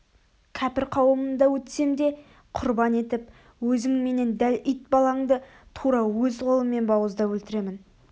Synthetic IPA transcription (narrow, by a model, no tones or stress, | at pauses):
kʲʰæpɪɾqʰɑwəmənd̪ɑwɵt̪se̞md̪e̞ | qʰʊɾbɑne̞t̪ɪp | wɵzɪŋme̞ne̞nd̪ælʏjt̪̚bɑlˠɑɴd̪ə | t̪ʰuɾɑwɵzqʰo̞lˠəmːe̞nbɑwəzd̪ɑwɵlt̪ɪɾe̞mɪn